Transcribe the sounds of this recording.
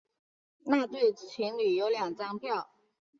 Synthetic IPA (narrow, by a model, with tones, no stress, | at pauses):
na˥˧t̪we˥˩ɪt͡ɕʰi˧˥ŋly˨˩jo˧˥ʊljɑ˨˩ŋʈ͡ʂɑ˥ŋpʰjɑ˥˨ʊ